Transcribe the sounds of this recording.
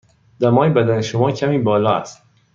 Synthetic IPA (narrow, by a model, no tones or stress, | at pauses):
d̪̥æmɒːjebæd̪æneʃomɒːcʰæmiːbɒːlɒːæ̰st̪